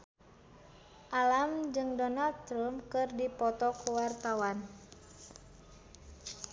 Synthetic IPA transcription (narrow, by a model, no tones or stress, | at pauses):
ʔalamd͡ʒɨŋdɔnald̪̚t̪ɾəmpkɨrdipɔt̪ɔkuwart̪awan